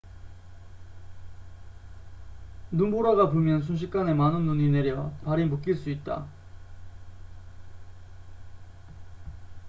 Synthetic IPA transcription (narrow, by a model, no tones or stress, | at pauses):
numboɾaɡapomjʌns̬ʰunɕ̬ʰik͈ane̞manɯnːuɲine̞ɾjʌpaɾimɯk͈iɭs͈uit̚t͈a̰